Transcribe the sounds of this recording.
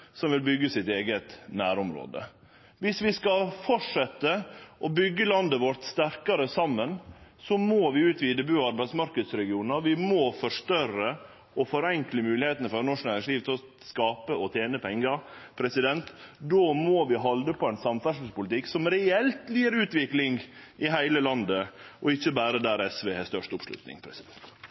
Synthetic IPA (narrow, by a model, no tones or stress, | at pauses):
sɔmʋɪlbʏɡːəsɪt̪eːɡət̪næːɾʊmɾo̰ːd̪ə̰ | ʋɪsʋɪskɑfɔʈʂɛt̪ːəʔɔbʏɡːəlɑnd̪əʋɔʈ̪st̪æɾkɑɾəsɑmːənsɔmoʋɪʉːt̪ʋɪd̪ɛbʉːɔɑɾbæɪsmɑɾkəd̪sɾɛɡɪuːnəɾʋɪmɔfɔʂt̪œɾə | ʔɔfɔɾɛŋkləmʉːlɪheːt̪ənəfɔɾnɔʂnæːɾɪŋsliːʋt̪ʰɪlɔ | skɑːpəɔt̪ʰjeːnəpʰɛŋːɑpʰɾɛsɪd̪ɛnt̪d̪oːmoʋɪɦɑld̪əpʰɔɛnsɑmfæʂəspʊlɪt̪ɪksɔmɾɛɛlt̪liːɾʉːt̪ʋɪklɪŋʔɪɦæɪləlɑnd̪əʔɔɪçːəbæːɾəd̪æːɾɛsʋeːhɛst̪œʂʈʊpʂlʉ̰t̪nɪ̰ŋpʰɾɛsɪd̪ɛnt̪